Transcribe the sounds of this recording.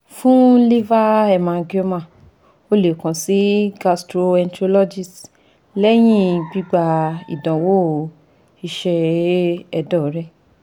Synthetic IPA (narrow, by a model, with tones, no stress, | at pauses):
fũ˦li˦va˦ɛ˧˨mã˧ɡo˦mã˦˨ | o˦le˨kã˨si˨˦ɡa˧stɾo˧ɛ˧n˦tɾo˧lɔ˦d͡ʒi˦˨s | lɛ˦j̃ĩ˦ɡ͡bi˦ɡ͡ba˧ḭ˨dã˨wo˦ | i˧ʃɛ˧ | ɛ˧dɔ˦˨˦ɾɛ˦